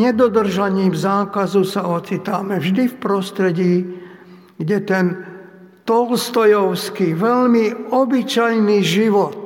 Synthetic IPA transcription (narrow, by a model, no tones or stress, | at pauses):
ɲɛd̪ɔd̪r̩ʒaɲiːmzaːkazusaɔt͡sit̪amɛvʒd̪ifpɾɔst̪ɾɛɟiː | ɡɟɛt̪ɛn | t̪ɔlst̪ɔjɔʊskiʋɛʎmiɔbit͡ʃajniʒiʋɔt̪̚